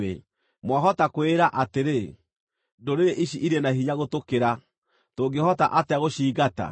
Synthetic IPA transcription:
ḛ | mwaɦɔtakoeɾaʔateɾe | doɾeɾeʔiɕiʔiɾenaɦiɲaɣotokeɾa | toːɡehɔta̰ʔateaɣoɕiːɣata̰

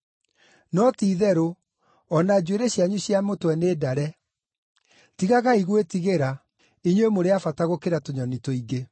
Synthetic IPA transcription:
nɔtiðɛɾo | ɔnad͡ʑweɾeɕjaɲuɕjamotwɛneːdaɾɛ | tiɣaɣaiɣwetiɣeɾa | iɲwemoɾeafataɣokeɾatoɲɔnitoiɡe

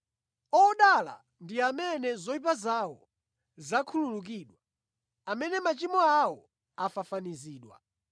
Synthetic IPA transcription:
ɔɗala̰ | ndiamɛnɛzɔipazawɔ | zakʰululuk̬iːɗwa | amɛnɛmat͡ʃimɔawɔ | afafaniziːɗwa̰

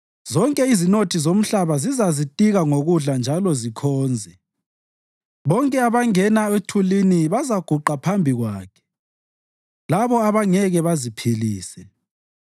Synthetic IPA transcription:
zɔŋkʼɛizinotʰizom̩ɬaβazizazitʼiɣaŋoɣuɮand͡ʒʱalɔzikʰɔːnd͡zʱɛ | βɔŋkʼɛaβaŋɛnaetʰuliniβazaɡ̥ʱuǃapʰambʱiɣwaːkʰɛ̥ | laβɔaβaŋɛɣɛβazipʰiliːsɛ

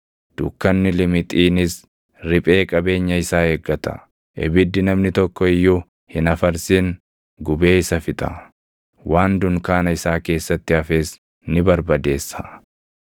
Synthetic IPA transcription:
d̪̥ʊkːɐnːɪlɪmɪt̪ʼiːnɪs | ɾɪpʼe̞ːkʼɐbe̞ːɲːɐɪsaːeːɡːɐt̪ɐ̥̰ | ʔɛ̰bɪd̪ːɪnɐmnɪt̪ɔkːɔɪjːʊ | hɪnɐfɐɾsiŋ | ɡʊbe̞ːɪsɐfɪt̪ʼɐ̰ | waːnd̪ʊŋkaːnɐɪsaːke̞ːsːɐt̪ːɪɐfe̞ːs | nɪbɐɾbɐd̪e̞ːsːɐ

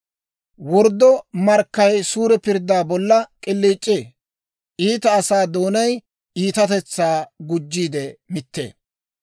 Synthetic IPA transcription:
wɔɾd̪ɔmɐɾkːɐjsuːɾɛpɪɾd̪aːbɔlːɐkʼɪlːiːt͡ʃʼːeː | ʔiːt̪ɐːsaːd̪o̞ːnɐj | iːt̪ɐt̪ɛt͡sːaːɡʊd͡ʒːiːd̪ɛmɪt̪ːḛː

